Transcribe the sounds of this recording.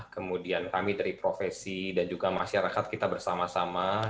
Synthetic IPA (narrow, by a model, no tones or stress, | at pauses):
kəmudiankamidaɾipɾofesidand͡ʒuɡamaʃaɾakat̪̚kit̪abərsamasama